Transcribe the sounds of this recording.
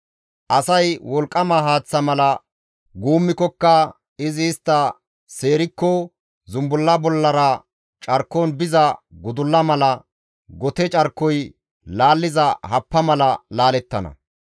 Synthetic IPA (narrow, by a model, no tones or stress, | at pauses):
ʔɐsɐjwɔlkʼːɐmɐɦaːt͡sːɐmɐlɐ | ɡuːmːɪkːɔkːɐ | ɪzɪːst̪ːɐ | se̞ːɾɪkːɔ | zʊmbʊlːɐbɔlːɐɾɐ | t͡ʃʼɐɾkːonbɪzɐɡʊd̪ʊlːɐmɐlɐ | ɡɔt̪ɛt͡ʃʼɐɾkːɔj | laːlːɪzɐhɐpːɐmɐlɐlaːlɛt̪ːɐnɐ̰